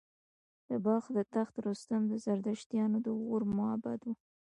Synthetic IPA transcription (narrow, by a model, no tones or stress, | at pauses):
d̪̥əbɑxd̪ət̪axt̪ɾust̪amd̪əzaɾd̪aʃt̪jɑnod̪əɣoɾmʊa̰ba̰d̪wu